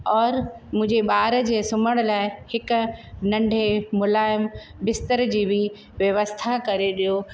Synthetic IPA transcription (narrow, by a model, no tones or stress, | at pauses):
ɔːɾmʊ̃ɦɪ̃ɲd͡ʑeɓaːɾəd͡ʑeːsʊməɽ̃laːɪhɪknɐ̃ɳɖʱemʊlaːɪm | bɪst̪əɾd͡ʑiːbʱi | ʋjɐʋəst̪ʰakɐɾeɗijo